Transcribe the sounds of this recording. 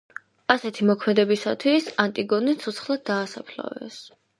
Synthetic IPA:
asɛt̪ʰimɔkʰmɛd̪ɛbisat̪ʰwisant̪ʼiɡɔnisʰɔt̪sχlˠad̪̚d̪ːaːsapʰla̰vɛ̰s

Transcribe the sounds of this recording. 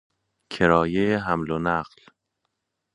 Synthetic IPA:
kʰeɾɒːjeeɦæmlonæɢl

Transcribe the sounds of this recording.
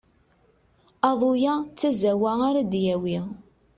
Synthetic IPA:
ɑðˤojat͡sːæzæwæaɾæd̪jæwi

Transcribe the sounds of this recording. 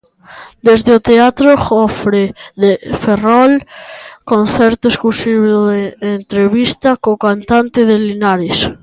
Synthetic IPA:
d̪ezðeot̪eat̪ɾoɔfɾeðeferɔlkon̟θɛɾt̪oeskusiβoðeːnt̪ɾeβist̪akokant̪ant̪eð̞elinaɾes

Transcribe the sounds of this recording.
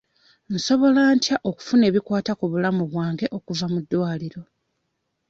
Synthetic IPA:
n̩so̞βo̞lantjaʔo̞ku̥fune̞ːβikwaːtakuβulamuβwaːŋɡe̞ʔo̞kuvamudːwaːliɾo̞

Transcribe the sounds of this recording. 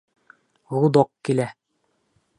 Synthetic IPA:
ʁud̪ɑqkilæ

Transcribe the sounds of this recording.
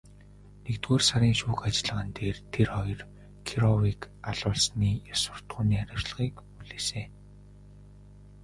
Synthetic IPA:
nekt̪ɡoːrsaɾʲiːŋʃuːkat͡ɕ̆ɮə̆ʁə̆nt̪eːrt̪ʰerχɔjɞ̆r | kʰiɾɔwik | aɮʊːɮsniːjaswə̥̆r̥t̪ɢʊːniːχaɾʲɪ̆w̥t͡ɕɮə̆ʁiːkpuɮeːseː

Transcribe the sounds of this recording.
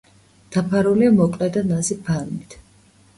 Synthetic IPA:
d̪̥apʰaɾuliamɔkʼlɛd̪anazipʰaɾmit̪ʰ

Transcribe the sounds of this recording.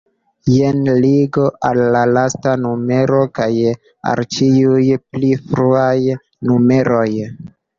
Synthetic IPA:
jenliɡo̞ʔalːalastanume̞ɾokaj | a̰lt͡ʃiujplifɾuaj | nume̞ɾo̞j

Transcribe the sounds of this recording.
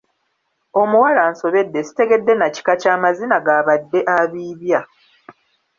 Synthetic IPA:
o̞muwalanso̞βe̞dːesi̥te̞ɡedːe̞naci̥kacaːmazinaɡaːβadːe̞ʔaβiːβja

